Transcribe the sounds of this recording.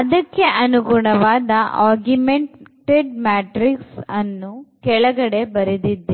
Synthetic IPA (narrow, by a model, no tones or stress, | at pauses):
ɐd̪ɐkːe̞ʔɐnuɡuɳɐʋaːd̪ɐʔaːɾɡjumeɳʈeɖmaːʈɾiksɐnːukɛɭɐɡɐɽe̞bɐɾid̪id̪ːe